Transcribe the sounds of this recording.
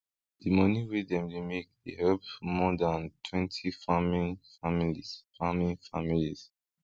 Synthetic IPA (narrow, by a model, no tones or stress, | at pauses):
dimʌniwedɛ̃mdemek̚ḛhɛlpmɔdãntʰwɛ̃ntʰifamĩnfamilisfamĩnfamiliz̥